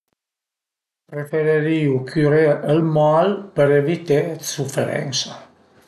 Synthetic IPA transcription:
pɾefeɾeɾiukʰyɾeəlmalpəɾevit̪esufeɾɛ̰nsa

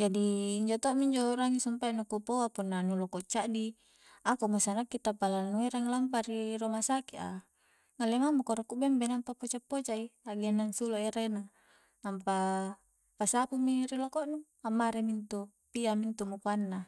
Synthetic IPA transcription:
d͡ʒadiːɲd͡ʒot̪omiɲd͡ʒoɾaŋisumpanukupoapunːanulokɔʔt͡ʃaʔdi | akumusanakːit̪apalanueɾaŋlampaɾiɾomasakiʔa̰ | ŋalemamukɔɾɔkuʔbɛmbenampapot͡ʃapːot͡ʃaiaɡanːaŋsuloʔeɾena | ampa | pasapumiɾilokɔʔnu | amːaɾemint̪u | piamint̪umukuanːa

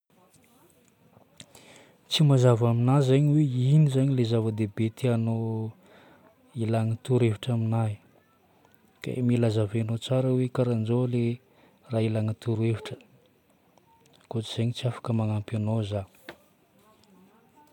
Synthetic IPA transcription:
t͡simazavaminazaɲweinizaɲilezavəd̪ebet̪ʰeano | ilaŋat̪uɾeviʈ͡ʂaminaj | ka̰ḛmilazavenot͡saɾəwekaɾand͡ʒole | railaŋat̪uɾueviʈ͡ʂə̥ | kot͡siz̥eɲit͡siafḁkəmaŋampanoza

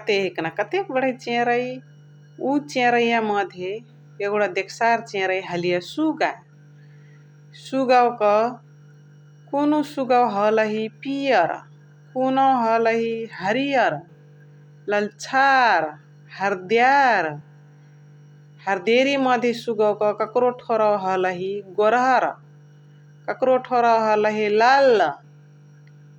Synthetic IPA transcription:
kt̪eɦiknakʌt̪ekbəɽ̤et͡ʃẽɾəj | ut͡ʃẽɾəjamʌd̪ʱje | eɡɽad̪ekʰsaɾt͡ʃẽɾəjɦəlijasuɡa | suɡawkʌ | kunosuɡawɦʌləɦipijʌɾ | kunoɦʌlʌɦiɦəɾijʌɾ | ləlt͡ʃʰaɾ | həɾd̪jaɾ | həɾd̪eɾimʌd̪ʱjesuɡawkʌkəkɾoʈʰoɾawɦʌləɦiɡoɾʌɾ | kəkɾoʈʰoɾawɦʌləɦilal

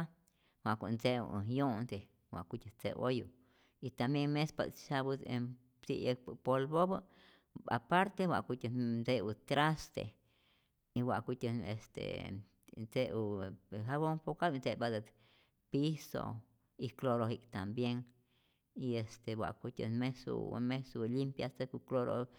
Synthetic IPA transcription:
a | wʷaʔkʷant͡seṵjond̪e | wʷa̰ʔkut̪ʲat͡sḛʔoju | it̪ambjeŋmespa̰ʃabue | sḭek̚ppolbobə | a̰paɾt̪ewʷa̰ʔkut̪ʲand͡zeut̪ɾast̪ḛ | iwʷaʔkut̪ʲeest̪ḛ | nt͡seʔuhaβoŋpokabnt͡sebad̪at̪ | piso̰ | ikloɾohikt̪ambjeŋ | iest̪ewʷa̰ʔkut̪ʲḛnmesṵmesulimpjast̪ekukloɾo̰

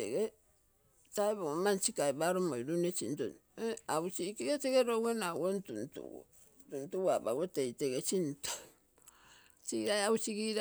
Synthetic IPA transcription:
ḛɡe | taebomant͡ʃikaebaɾomoiɾunet͡ʃḭnto̰n | aut͡ʃikeɡeteɡeɾowenawontuntṵo̰ | tuntuwaba̰ɡotejteɡet͡ʃinto̥ | t͡ʃiɾajaut͡ʃiɡiɾ

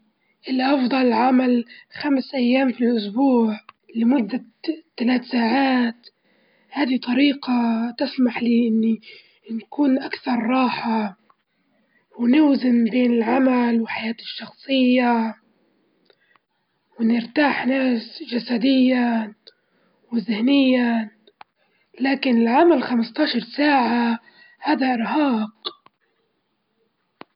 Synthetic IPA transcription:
ʔɪlːaʔɑfd̪ˤɑlʕamalxamsʔajːaːmfilʔʊsbuːʕ | lɪmʊd̪ːa | t̪ːalaːt̪saːʕaːt̪ | haːd̪it̪ˤɑɾiːqat̪ɪsmaħliːʔɪnːi | nkuːnʔakθɑɾˤːɑːħa | wnɪwzɪnbeːnɪlʕamalwɪħajaːt̪ɪʃːɑxsˤɨjːa | wnɪɾt̪aːħnaːsʒasad̪ɪjːa | wɪzɪhnɪjːa | laːkɪnɪlʕamalxamɪst̪ˤɑːʃɑɾˤsaːʕa | haːd̪aʔɪɾɦɑːq

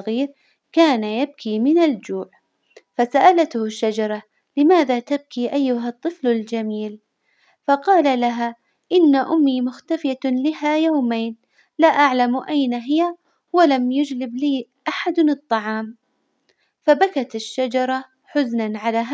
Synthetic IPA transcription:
ɣiːɾ | kaːnajab̚kʰimɪnald͡ʒuːʕ | fasaʔalat̪hʃːad͡ʒɑɾˤɑ | lɪmaːðat̪ab̚kiʔajːʊɦat̪ˤːɨflald͡ʒamiːl | fɑqɑːlalaɦa | ʔɪnːaʔʊmːimʊxt̪afɪjalɪɦajaːmaːn | laʔaʕlamʔajnaɦɪja | walamjʊd͡ʒlɪbliːʔaħad̪nɨt̪ˤːɑʕɑːm | fabakat̪ɪʃːad͡ʒɑɾˤɑ | ħʊznanʕalaɦ

